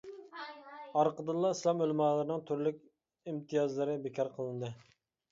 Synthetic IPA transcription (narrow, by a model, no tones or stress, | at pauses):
ɑɾqəd̪ɨlˠːɑislˠɑmølmɑːlˠɨɾnɨŋt̪ʰyɾlykʲ | imt̪ʰijɑzlˠɨɾɨbekʰʲɑɾqʰəlˠɨnd̪ɨ